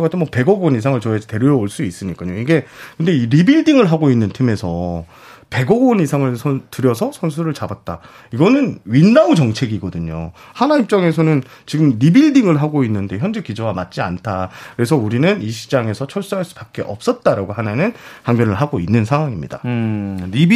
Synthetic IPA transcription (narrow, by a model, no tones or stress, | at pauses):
ɡ͈atʰɯnmwʌpe̞ɡʌɡonisʰaŋɯɭt͡ɕʌed͡ʑete̞ɾjojʌoɭs͈uis͈ɯɲik͈aɲoiɡe̞kɯnde̞iɾibiɭdiŋɯɭɦaɡoinːɯntʰime̞sʰʌ | pe̞ɡʌɡonisʰaŋɯɭsʰʌtɯɾjʌsʰʌsʰʌns̬ʰuɾɯɭt͡ɕabat̚t͈a̰ | iɡʌnɯnɥinːaud͡ʑʌŋt͡ɕʰe̞ɡiɡʌdɯɲo̰hanaip̚t͡ɕ͈ʌŋe̞sʰʌnɯn | t͡ɕiɡɯmɾibiɭdiŋɯɭɦaɡoinːɯnde̞çjʌnd͡ʑekid͡ʑʌwamat̚t͡ɕ͈ia̰ntʰakɯɾe̞sʰʌuɾinɯniɕʰi̥d͡ʑaŋe̞sʰʌt͡ɕʰʌɭs͈aɦaɭs͈u̥bak͈e̞ʔʌ̰p̚s͈ʌt̚t͈aɾaɡoɦananɯnhaŋbjʌnɯɭɦaɡoinːɯnsʰaŋwaŋimɲida̰